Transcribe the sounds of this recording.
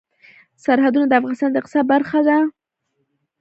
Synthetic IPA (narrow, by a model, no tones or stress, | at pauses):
saɾhad̪unod̪əafɣɑnɪst̪ɑnd̪əqɪ̥sabaɾxad̪a